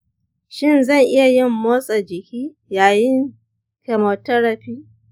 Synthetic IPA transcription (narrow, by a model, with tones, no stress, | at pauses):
ʃɪ˦˨nzɐ˦˨ŋʔɪ˦ja˨jɪ˦mːoː˦sʼɐ˨d͡ʒɪ˨kʲiː˦ | jaː˨jɪ˦ŋ | kɐ˨mɐ˨tɐ˦ɽɐ˨ɸiː˦